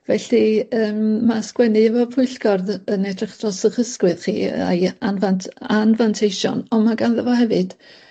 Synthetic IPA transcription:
vɛɬiəːmːaskwɛnɨəvɔpʰʊɨɬɡ̥ɔrðənɛdrɪχd̥rɔsəχəskwɨðχḭːa̰janvantʰanvantʰejʃɔ̰nɔmaɡanðəvɔhɛvɨd̥

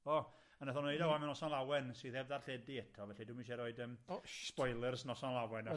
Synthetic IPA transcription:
ɔ | ənəθɔnoɨdawamɛnɔsanlˠawɛnsɨθɛvðarɬɛdiɛtʰɔvɛɬiduminʃɛɾoːɨdəmspɔjlˠərsnɔsanlˠawɛna

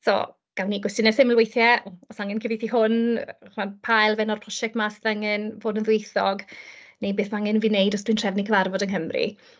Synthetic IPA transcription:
sɔ̰ | ɡ̥awniɡwɛstɪnɛsɪməlwejθjɛɔsaŋɛnkʰəvitʰihʊnχmanpʰajlˠvɛnɔrpʰrɔʃɛk̚tmasðəŋɪnvoːdənðwejθɔɡnejbeːθmaŋɪnviːnejdɔsd̥wintʰr̥ɛvnikʰəvarvɔdənɦəmrḭ

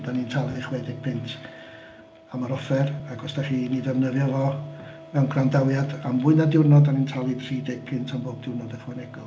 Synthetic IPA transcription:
danintʰalˠɨðχwɛdɪɡ̥̚pʰɪntʰ | amaɾɔfɛraɡɔsd̥aχiːnidɛvnəðjɔvɔ | mɛwnɡʰrandawjadamvʊɨnadɪwrnɔdanintʰalˠɨdr̥idɪɡ̥̚pʰɪntʰamboːb̚dɪrnɔdəχwɛnɛɡɔ

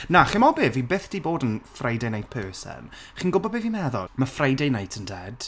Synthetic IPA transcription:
naχimɔbɪvibeːθd̥iːboːdənfrajdejnajtpʰəːsɛ̰nχiːnɡʊbɔbeːvimɛðɔ̰mafrajdejnajtʰəndɛd̥

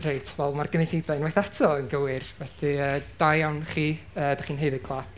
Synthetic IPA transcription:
rejtʰvɛlˠmarɡəneɬidvɛnwajθatʰɔənɡəwɪrvɛθɨəd̥ajawnχiː | əːdaχiːnɦeɨðɨɡ̚ɡlˠap̚

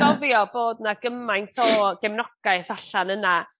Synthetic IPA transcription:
ɔvjɔboːdnaɡəmajnsoːɡ̥ɛmnɔɡ̥aɨθaɬanəna

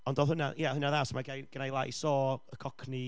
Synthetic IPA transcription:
ɔndoːðhʊnajahʊnaðasmaɡajɡ̥ənajlˠaisɔːəkʰɔkʰni

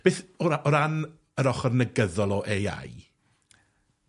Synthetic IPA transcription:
b̥eːθɔɾaɔɾan | əɾɔχɔrnəɡəðɔlˠɔʔeja̰j

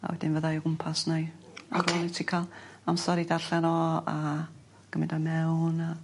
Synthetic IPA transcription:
a̰wɛdɪnvəðajɔɡʊmpʰasnajaɾɔnitʰikʰalˠamsɔɾidarɬɛnɔa̰ | ɡ̥əmɪdɔmɛwna

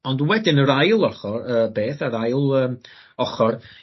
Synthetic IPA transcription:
ɔndwɛdɪnəɾajlˠɔχɔrəːbeːθaɾajlˠəːm | ɔχɔr

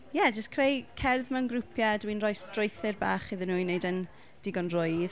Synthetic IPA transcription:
jɛd͡ʒəskʰrejkʰɛrðmanɡrʊpʰjadwinrɔjstrʊjθɪrba̰ːχɪðɪnuːnejdən | d̥ɪɡɔnrʊɨð

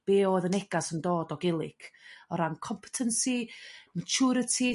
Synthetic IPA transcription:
b̥eːoːðənɛɡasəndoːdɔɡɪlˠɪkʰɔɾankʰɔmpʰə̥tʰənsimat͡ʃʰuɾətʰi

